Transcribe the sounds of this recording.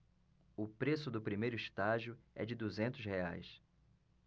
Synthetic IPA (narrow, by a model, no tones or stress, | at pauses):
ʊpɾesʊd̪ʊpɾimejɾʊiʃt̪aʒiʊɛ̰d͡ʒɪd̪uzẽnt̪ʊshea̰js